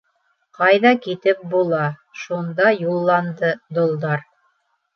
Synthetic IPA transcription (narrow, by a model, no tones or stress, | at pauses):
qɑjðɑkit̪ɘp̚bulˠɑʃund̪ɑjulˠːɑnd̪ɤd̪ŏlˠd̪ɑɾ